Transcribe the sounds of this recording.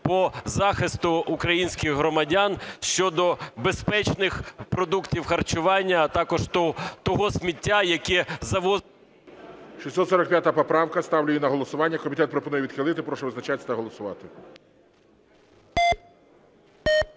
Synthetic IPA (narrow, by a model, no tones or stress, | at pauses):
pɔzɑxɪst̪ʊːkɾɐjinʲsʲkɪɣɦɾɔmɐdʲanʃt͡ʃɔd̪ɔbespɛt͡ʃnɪxpɾɔd̪uktʲiwxɐrt͡ʃʊʋɑnʲːɐːt̪ɑkɔʒt̪ɔt̪ɔɦɔsʲmʲitʲːajɐkɛzɐʋɔ | ʃʲisʲɔt̪sɔɾɐk̚pʲjat̪ɐpɔpɾɑwkɐst̪ɑwlʲʊjinɐɦɔlˠɔsʊʋɑnʲːɐkɔmʲit̪ɛt̪pɾɔpɔnujɛʋʲid̪xɪlˠɪt̪ɪpɾɔʃɛʋɪznɐt͡ʃat̪ʲːɐt̪ɐɦɔlˠɔsʊʋɑ̰t̪ɪ